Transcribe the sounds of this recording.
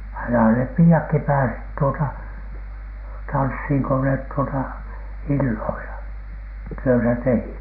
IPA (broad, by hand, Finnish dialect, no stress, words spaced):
ɑinɑ nep piːɑkːi pæːsit tuotɑ tɑnshiŋ ko net tuotɑ ilːoilɑ tyøtæ tehit niːn̥